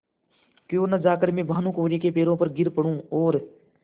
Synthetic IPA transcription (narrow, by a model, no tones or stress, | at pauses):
kjoːnəd͡ʒaːkəɾmẽːbʱaːnũːkoːɾiːkeːpeːɾõːpəɾɡɪɾpəɽũːoːɾ